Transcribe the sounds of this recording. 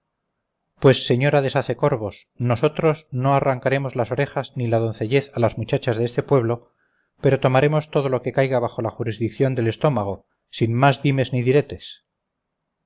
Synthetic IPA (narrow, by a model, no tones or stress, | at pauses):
pwe̞sːe̞ɲo̞ɾaðe̞saθe̞ko̞ɾβo̞sno̞so̞t̪ɾo̞zno̞araŋkaɾe̞mo̞zlasoɾe̞xaznilaðo̞nθe̞ʝe̞θalazmut͡ʃat͡ʃazðeest̪e̞pwe̞βlo̞ | pe̞ɾo̞t̪o̞maɾe̞mo̞st̪o̞ð̞o̞lo̞ke̞kajɣaβaχo̞laxuɾizðik̚θjo̞nd̪e̞le̞st̪o̞maɣ̞o̞ | sinmazðime̞zniðiɾe̞t̪e̞s